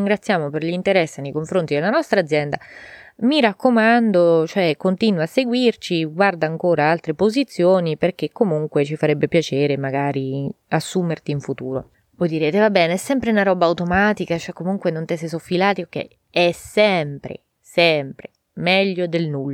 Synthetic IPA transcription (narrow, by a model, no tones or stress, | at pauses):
ŋɡɾat̪sːjaːmoperlint̪eɾɛsːenːejkoɱfɾont̪id̪elanɔst̪ɾaːd̪zjɛnd̪amiɾakːomand̪ot͡ʃoɛkːont̪iːnwasːeɡwirt͡ʃiɡward̪aːŋkoːɾaalt̪ɾepozit̪sːjoːniperk̟ekːomuŋkwet͡ʃifaɾɛbːepjat͡ʃeːɾemaɡaːɾi | asːumert̪iːɱfut̪uːɾo | vɔjd̪iɾeːt̪evabːɛːneɛsːɛmpɾeunaɾɔbaːwt̪omat̪ikat͡ʃoɛkːomuŋkwenont̪ɛs̬es̬ofːilaːt̪iok̟ːɛ̰ji | ɛsɛmpɾḛ | sɛmpɾe | mɛʎːod̪elnulː